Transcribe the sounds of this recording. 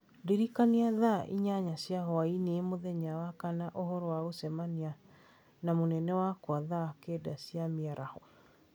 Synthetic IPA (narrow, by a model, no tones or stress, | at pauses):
deɾikaniaðaʔḭɲaɲasiahɔaineemoðɛɲawakanaʔohɔɾɔwaɣosɛmania | namonɛnɛwakwaðaakedasiamiaɾʔahɔ